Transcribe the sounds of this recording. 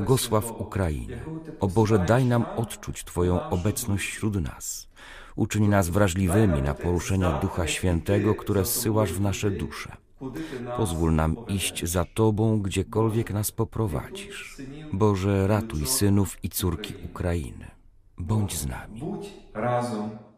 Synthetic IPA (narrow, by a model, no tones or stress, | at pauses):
ɔɡɔswafukɾajḭɲɛ̰ɔbɔʐɛd̪ajnamɔt̪t͡ʂut͡ɕt̪fɔjɔ̃w̃ʔɔbɛt̪snɔɕt͡ɕɕɾud̪na̰s | ut͡ʂɘɲnazvɾaʐlʲivɘmʲina̰pɔɾuʂɛɲad̪uxaɕfʲjɛnt̪ɛɡɔkt̪uɾɛsːɘwaʐvnaʂɛd̪uʂɛ̥̰ | pɔzvulnamiɕt͡ɕzat̪ɔbɔ̃w̃ɡd͡ʑɛkɔlvʲjɛknaspɔpɾɔva̰d͡ʑiʂbɔʐɛɾat̪ujsɘnufit̪suɾkʲiʔukɾaḭnɘ̰ | bɔɲd͡ʑzna̰mʲi